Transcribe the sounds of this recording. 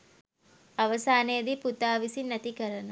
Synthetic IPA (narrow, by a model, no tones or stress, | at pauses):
ɐʋɐsaːneːd̪iput̪aːʋisinːɐt̪ikɐɾɐnɐ